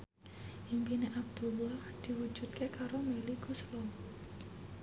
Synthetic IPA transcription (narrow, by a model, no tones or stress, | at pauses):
ʔimpineʔab̚d̪̥ulːahd̪̥i̤wu̥ʒ̥ṳt̪̚kekaɾomeliɡ̥uslɔ